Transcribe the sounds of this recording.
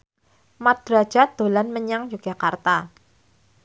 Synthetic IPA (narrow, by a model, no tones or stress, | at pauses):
mad̪̥ɾḁd͡ʒ̥ad̪̥o̤lanməɲaŋjuɡ̥ʒ̥akart̪a